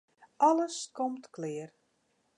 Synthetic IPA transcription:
ʔɑləskɔmtklɪːər

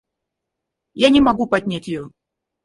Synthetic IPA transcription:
janʲɪmɐɡupɐdʲnʲatʲjɪjo

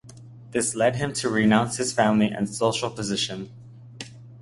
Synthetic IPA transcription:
ðɪslɛd̚ɨ̃mtʰɨɹɨnãʊ̃nshɨz̥fæ̃mliʔɨ̰̃nsoʊʃl̩ˠpʰəzɪʃɨ̃n

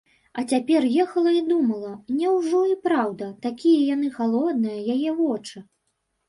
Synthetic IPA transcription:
ɐt͡sʲapʲɛrjɛxɐlˠɐid̪umɐlˠɐnʲɛwʐɔipɾawd̪ɐt̪akʲijɐjanɨxalˠɔd̪̚nɨjɐjajɛvɔt͡ʂɨ

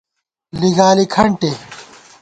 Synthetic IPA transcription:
liɡaːlikʰɐɳʈe

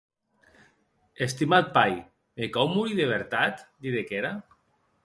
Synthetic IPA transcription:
est̪imat̪̚paj | mekɔwmuɾiðeβ̞eɾt̪at̪d̪iðekeɾa

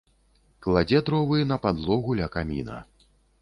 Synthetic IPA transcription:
klˠad͡zʲɛd̪ɾɔvɨjɛnɐpad̪lˠɔɣulʲɐkamʲḭnɐ̰

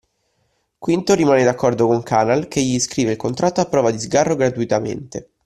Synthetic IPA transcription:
kwint̪oɾimaːned̪akːɔrd̪okoŋkʰaːnalk̟eʎːiːskɾiːveilkont̪ɾat̪ːoapːɾɔːvad̪izɡarːoɡɾat̪uit̪amḛnt̪e

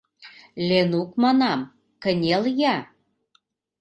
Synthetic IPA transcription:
lʲenukmɑnɑm | kə̆nʲeljæ

